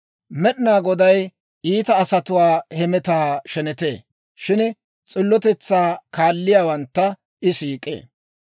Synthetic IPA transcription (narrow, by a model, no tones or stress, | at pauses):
mɛɗɪnaːɡɔd̪ɐj | iːt̪ɐːsɐt̪ʊwaːhɛmɛt̪aːʃɛnɛt̪eː | ʃɪn | t͡sʼɪlːɔt̪ɛt͡sːaːkaːlːɪjaːwɐnt̪ːɐ | ʔɪsiːkʼḛː